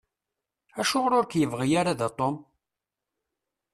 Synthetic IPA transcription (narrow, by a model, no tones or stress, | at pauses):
æʃʊʁɾʊɾkjəvʁijaɾaðat̪ˤom